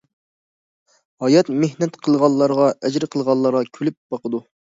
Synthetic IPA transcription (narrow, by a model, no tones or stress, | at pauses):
hɑjɑt̪mehnɛt̪qʰəlˠʁɑlˠːɑɾʁɑʔɛd͡ʒɾɪqʰəlˠʁɑlˠːɑɾʁɑkʲʰylyp̚b̥ɑqəd̪u